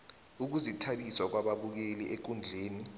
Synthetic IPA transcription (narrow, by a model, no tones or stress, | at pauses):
uk̬uzitʰaɓiswak̬waɓaɓuk̬eliʔek̬und͡ɮʱeːni